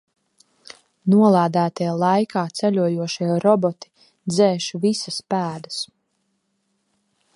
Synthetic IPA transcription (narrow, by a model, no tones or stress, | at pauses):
nuɔlˠaːd̪æːt̪ijlˠajkaːt̪sɛlʲuɔjuɔʃiɾɔbɔt̪i̥ | d̪zɛːʃuvisaspæːd̪as